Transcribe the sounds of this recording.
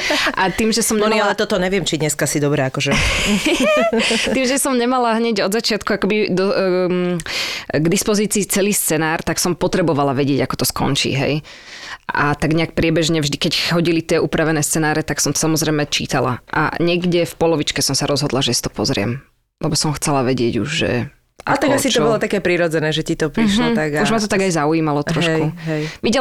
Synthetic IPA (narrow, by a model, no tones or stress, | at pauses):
ʔat̪iːmʒɛsɔmɲnalɛt̪ɔt̪ɔɲɛʋɪɛmt͡ʃid̪ɲɛskasid̪ɔbɾɛakɔʒɛ | t̪iːmʒɛsɔmɲɛmalaɦɲɛɟɔd̪zat͡ʃɪat̪kuakɔbid̪ɔ | ɡd̪ispɔziːt͡siːt͡sɛliːst͡sɛnaːɾt̪aksɔmpɔt̪ɾɛbɔʋalaʋɛɟɪɛɟakɔ̥t̪ɔskɔ̰nt͡ʃḭːɦɛ̰j | a̰t̪aɡɲɛak̚pɾɪɛbɛʒɲɛvʒd̪ikɛcɦɔɟilit̪ɪɛʔupɾaʋɛnɛːst͡sɛnaːɾɛt̪aksɔmt̪ɔ̥samɔzɾɛjmɛt͡ʃḭːt̪ala̰ʔa̰ɲɛɡɟɛfpɔlɔʋit͡ʃkɛsɔmsaɾɔzɦɔd̪laʒɛsi̥t̪ɔ̥pɔzɾɪɛ̰m | lɛbɔsɔmxt͡sɛlaʋɛɟɪɛɟṵʒʒɛ̰ | ʔat̪aɡasitt͡ʃ̪ɔbɔlɔt̪akɛːpɾiɾɔd͡zɛnɛːʒɛcit̪ɔpɾɾiɦʃlɔt̪aɡauʒmat̪ɔt̪aɡajzaujiːmalɔt̪ɾɔɦʃkuɦɛjʋiɟɛ